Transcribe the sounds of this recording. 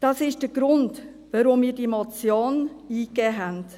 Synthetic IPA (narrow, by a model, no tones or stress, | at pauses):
d̥ɑːsɪʃd̥əɡ̥ɾʊnd | ʋəɾʊmmiːɾdimɔt͡sjoːn | iːkɛːɦɛnt